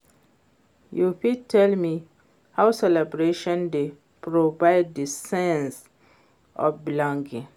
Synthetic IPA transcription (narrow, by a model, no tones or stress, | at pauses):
jufitʰɛlmi | haʊsɛlɛbɹeʃɔ̃nde | pɹovaɪd̚disɛ̃ns | ʔɔ̰bilɔ̃ŋɡĩ